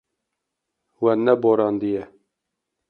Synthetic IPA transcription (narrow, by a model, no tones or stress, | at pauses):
wɛnːɛboɾɑːnd̪ijɛ